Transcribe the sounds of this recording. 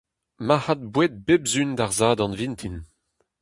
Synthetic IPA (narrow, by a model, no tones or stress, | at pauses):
mahad̪̚bwet̪̚bebzynd̪aʁzaːd̪ɑ̃nvint̪ʰin